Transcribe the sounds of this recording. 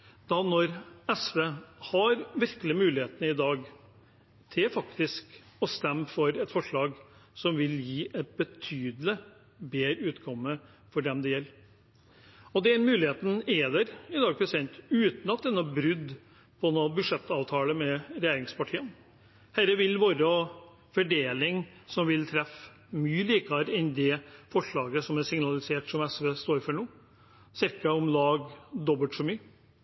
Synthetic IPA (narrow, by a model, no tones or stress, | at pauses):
d̪̥ɑnɔɾɛsʋeːhɑɾʋɪɾklɪmʉːlɪheːt̪ənəɪd̪ɑːɡ | t̪ʰɪlfɑkt̪ɪsk | ɔst̪ɛmfɔɾɛt̪fɔʂɭɑːɡsɔmʋɪljiːʔɛt̪̚bət̪ʰyːd̪lɪ | beːɾʉːt̪ɡɔmːə | fɔɖɛmd̪ɛjɛlː | ɔd̪ɛɾmʉːlɪheːt̪n̩eːd̪əɾɪd̪ɑːɡ̚pʰɾɛsɪd̪ɛnt̪ʉːt̪nɑt̪d̪ɛnːɔbɾʉd̪ | pʰɔnobʉʂɛt̪ːɑːʋt̪ʰɑːləmɛɾɛjeːɾɪŋspɑʈʰiːən | hæɾəʋɪlʋoːɾəɔ | fɔɖeːlɪŋsɔmʋɪlt̪ʰɾɛf | myːəliːkəɑɾɛnd̪ɛfɔʂɭɑːɡəsɔmæsɪŋnɑlɪseːʈsɔmɛsʋeːst̪oːɾfœɳuː | sɪɾkɑɔmlɑːɡd̪ɔbəlt̪ʂɔmyːə